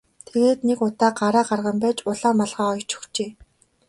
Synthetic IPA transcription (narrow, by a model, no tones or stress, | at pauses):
t̪ʰeɣeːt̪nekʊt̪aːɢaɾaːɢarʁə̆mpæːt͡ɕʊɮaːmːaɮʁaːɔjt͡ɕʰɵ̥xt͡ɕeː